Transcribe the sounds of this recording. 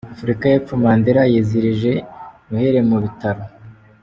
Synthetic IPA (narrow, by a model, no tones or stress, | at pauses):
afuɾikajep͡fumaːndeɾajeziɾiʒe̞muheɾe̞muβitaɾo